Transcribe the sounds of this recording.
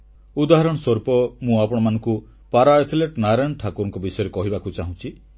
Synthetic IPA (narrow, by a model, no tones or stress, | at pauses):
ud̪aɦaɾɔɽ̃ɔsɔɾpɔmũapɔɽ̃ɔmanɔ̃ŋku | paɾaet̪ʰileʈnaɾajnʈʰakuɾɔŋkɔbisɔjɔɾekɔɦibakut͡ʃaɦũt͡ʃʰi